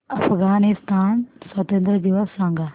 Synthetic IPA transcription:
ɐfʰɣaːnɪst̪aːnsɐt̪ɐ̃nd̪ɾəd͡ʒiʋasãŋɡa

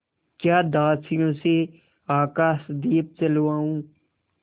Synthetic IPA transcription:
kjaːd̪aːsijõːse | aːkaːsd̪iːp̚t͡ʃəlʋaːũː

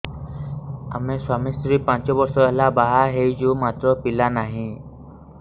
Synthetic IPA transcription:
a̰mẽswaːmist̪ɾiːpãt͡ʃɔbɔɾsɔɛɦlabaɦaɦeid͡ʒõːmaːt̪ɾɔpɪlanaːɦĩ

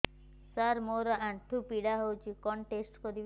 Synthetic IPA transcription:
saɾmoɾɔʔaɳʈʰupiɽaɦowt͡ʃʰikɔɳʈesʈkɔɾib

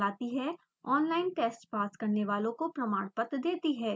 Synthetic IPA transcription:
aːt̪iɦɛː | ɔːnlaːɪnʈeːsʈpaːskɐɾneʋaːlõkopɾɐmaːɽpət̪d̪eːt̪iɦɛː

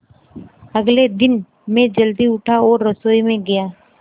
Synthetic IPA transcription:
ɐɡled̪ɪn | mẽd͡ʒəld̪iʊʈʰaɔːɾːəsoːimẽɡɐjaː

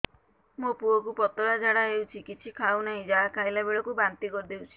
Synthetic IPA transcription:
mopuɔkupɔt̪ɔɾad͡ʒaɽaɦewt͡ʃʰikit͡ʃʰikʰawnaɦĩd͡ʒakʰajlabeɭɔkubant̪ikɔɾd̪ewt͡ʃʰi̥

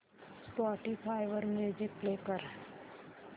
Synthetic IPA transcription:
spɔːʈipʰaɪʋəɾmeːd͡ʒɪk̚pleːkəɾ

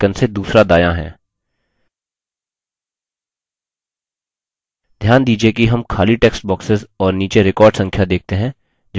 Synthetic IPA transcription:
kənsed̪uːsɾad̪aːjaɦɛ̰̃ː | d̪ʱjaːnd̪iːd͡ʒiekiɦɐmkʰaːliʈeːksʈ̚bɔːksɪzɔːɾniːt͡ʃeɾɪkɔːɾɖsɐ̃ŋkʰjad̪eːk̚t̪eɦɛ̃ | d͡ʒ

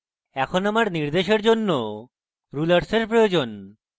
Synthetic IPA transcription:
ɛkʰonamaɾniɾd̪eʃeɾd͡ʑonːo | ɾulaɾseɾpɾojod͡ʑon

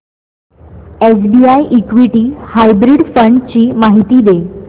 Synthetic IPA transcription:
es̬biajʔikʋiʈiːhajbɾiɖfəɳɖt͡ɕiːmaɦit̪iːd̪e

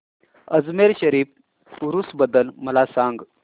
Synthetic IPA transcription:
əd͡zmeɾɕəɾif | uɾusbəd̪əlməlasaŋɡ

